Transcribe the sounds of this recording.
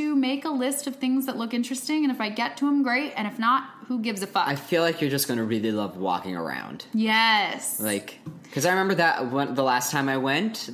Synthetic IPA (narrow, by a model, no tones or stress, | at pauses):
ɨmeɪkəlɪstʌv̥θɪ̃ŋzðətˡlʊkɪ̃nt͡ʃɹ̥ɨstɪ̃ŋɨ̃ñɨfaɪɡɛtʰəə̃mɡɹeɪtɨ̃ɾ̃ɨfnət̚huɡɪvzɨfʌaɪfilaɪkjə˞d͡ʒʌsɡ̥ʌñɨɹɪlˠilʌvwɔ̰kɪ̰̃ŋə̰˞ã̰ʊ̃nd̥jɛslaɪkkʰːʌzaɪɹɨmɛ̃mbə˞ðəʔwʌ̃nðəlæstʰãɪ̃maɪwɛ̃nt